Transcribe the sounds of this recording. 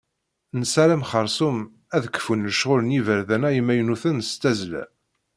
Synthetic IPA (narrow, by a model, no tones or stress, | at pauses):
nəsæɾæmχəɾˤsum | æðkːə̥funːəʃʁʊlənivəɾðænæjəmːæjnuθənst̪æzlæ̰